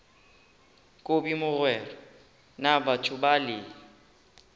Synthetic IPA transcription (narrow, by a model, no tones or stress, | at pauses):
kʼobimʊrwɛrɔ | nabatʰʊbalɪ